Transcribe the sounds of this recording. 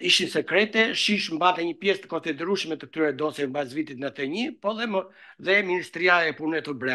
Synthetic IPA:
iʃisɛkɾɛt̪ɛʃiʃmbat̪ɛɲəpjɛst̪ə̥kɔnsid̪ɛɾuʃmɛt̪ət̪yɾɛd̪ɔsɛmbazvit̪it̪nat̪əɲipɔðɛ | ðɛminist̪ɾiaɛpunɛt̪ublɛ

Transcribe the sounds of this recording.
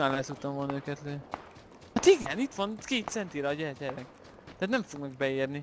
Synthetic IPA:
manlasut̪ːɒmvolnøːkɛt̪løː | hat̪iɡɛnit̪ʋɒnkeːt̪sɛnt̪iːɾɛːɟɛrɟɛɾɛk | t̪æːt̪nɛɱfoɡnɒɡ̚bɛeːrni

